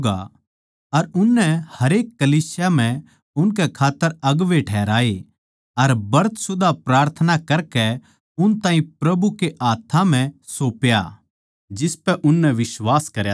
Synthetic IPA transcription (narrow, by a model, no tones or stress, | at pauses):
ɡa̰ | ɐɾʊnːɛhɐɾeːkːɐliːsjam̤ɛ̃ | ʊnk̬ɛkʰaːt̪ːəɾɐɡʋeʈʰɛːɾaːe | ɐɾbɐɾət̪sʊd̪ʱapɾaːɾt̪ʰənakɐɾkɛ | ʊnt̪ãːĩpɾɐbukeʔaːt̪ʰːãm̤ɛ̃soːpja̰ | d͡ʒɪspɛʔʊnːɛʋɪsʋaːskɐɾja